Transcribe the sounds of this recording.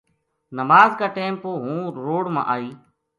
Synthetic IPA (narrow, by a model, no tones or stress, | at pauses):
nəmaːzkaːʈeːmpoːɦũːɾoːɽmã̰ːʔaːiː